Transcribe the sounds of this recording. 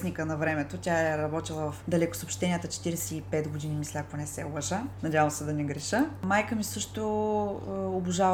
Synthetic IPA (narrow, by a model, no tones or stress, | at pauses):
snikənɐvɾɛmɛt̪otʲaɛɾɾɐbɔt̪ilˠəvɐfd̪ɐlɛkʊ̥sopʃt̪ɛnʲiət̪ət͡ʃɛ̥t̪iɾɛsɛipɛt̪ɡod̪inimislʲɛakonɛsɛobɐʒanɐdʲavəɐmsɛd̪ɐnɛɡɾɛʃəmajkəmisɤʃt̪o | obʊʒav